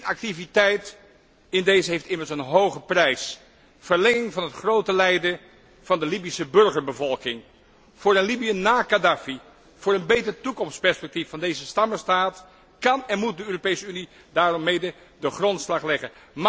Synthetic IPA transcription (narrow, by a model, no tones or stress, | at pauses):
ɑk̚tivitɛjt | ɪndejzəɦejftɪməɹsənɦowχəprɛjs | fəɹlɛŋɪŋvɑnɦətχrowtəlɛjdə | v̥ɑndəlibisəbɵɹχəɹbəvɔlˠkɪŋ | v̥ʊːɹənlibijənaːkadaːfi | v̥ʊːɹənbejtərətukɔmstpɛɹspɛk̚tifːɑndejzəstɑməɹstaːt | kɑnɛnmut̚dəøːropejsəyni | daːrɔmːejdə | dəχrɔntslɑχlɛχənm